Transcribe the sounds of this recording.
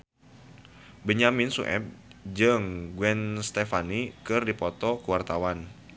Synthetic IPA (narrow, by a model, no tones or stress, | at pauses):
bəɲamɪnsṵʔɛ̰b̚d͡ʒɨŋɡwɛnst̪efanikɨrdipɔt̪ɔkuwart̪awan